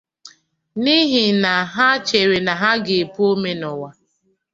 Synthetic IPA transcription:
ni˦ɦi˨na˨ɦa˦t͡ʃe˨ɾe˨na˨ɦa˦ɡe˨e˨pu˦o˦me˦nɔ˨wa˦

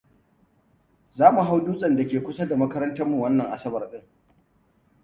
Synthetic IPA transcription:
zaː˦mu˨ɦa˦wduː˦sʼɐ˨nda˨kʲeː˨kʷʊ˦sa˦da˨mɐ˦kɐ˦ɾɐ˦ntɐ˦mmu˨wɐ˦nːɐ˨ŋʔa̰˨sɐ˦bɐ˨rɗɪ˦ŋ

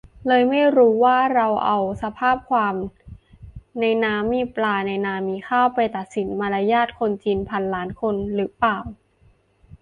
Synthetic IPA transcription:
lɤː˧jma˥˩jɾuː˦˥waː˥˩ɾa˧wʔa˧wsa˧pʰaː˥˩p̚kʰwaː˧m | na˧jnaː˦˥mːiː˧plaː˧na˧jnaː˧miː˧kʰaː˥˩wpa˧jt̪a˨˩t̪̚si˩˦nma˧la˧jaː˥˩t̪̚kʰo˧nt͡ɕiː˧npʰa˧nlaː˩˦˥nkʰo˧nɾɯː˩˦paː˨˩w

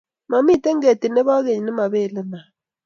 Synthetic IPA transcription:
ma˨mi˦te˦ŋɡe˨ti˨ne˦βa˦ɣe˨ɲi˨ne˦ma˨βe˦˨le˦na˨

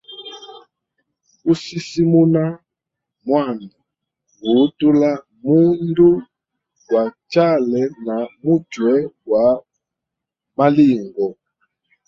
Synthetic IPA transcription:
u˦si˦si˦mu˦na˦ | mwa˦˨na˨ | ɡu˨˦tu˦la˦ | mu˦ndu˦ | wa˨t͡ʃa˦˨lɛ˨na˨mu˦t͡ʃwɛ˦wa˨ | ma˦li˦˨ŋɡɔ˨

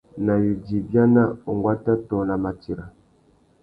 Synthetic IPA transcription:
na˨βi˨d͡ʒi˨bja˦na˦ɔ˨ŋɡwa˦ta˦tɔ˨na˨ma˨ti˨ɾa˨

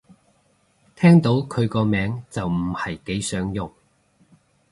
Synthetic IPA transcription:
t̪ʰɛː˥ŋt̪o˨˥wkʰɵ˨˧ɥkɔː˧mɛː˨˥ŋt͡sɐ˨wm̩˨˩hɐ˨jke˨˥jsœː˨˥ŋjʊ˨ŋ

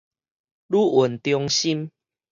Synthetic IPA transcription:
lu˦ʔu˨˩nt̪jɔ˧ŋɕi˦m

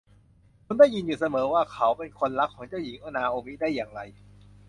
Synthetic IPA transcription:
kʰo˧ndaː˥˩jːi˧njuː˨˩sa˧mɤː˩˦waː˥˩kʰa˨˦wpe˧nkʰo˧nɾa˦˥kʰːɔː˩˦ŋt͡ɕa˥˩wji˩˦ŋʔaː˧naː˧ʔoː˧mi˦˥daː˥˩jːaː˨˩ŋɾa˧j

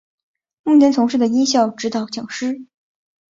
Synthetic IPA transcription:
mu˥˩njɛ˧˥nt͡s̪ʰʊ˧˥ŋʂɻ̩˥˩d̪ə˩i˥ŋɕjɑ˥˩ʊʈ͡ʂɻ̩˧˥t̪ɑ˨˩ʊt͡ɕjɑ˨˩ŋʂɻ̩˥

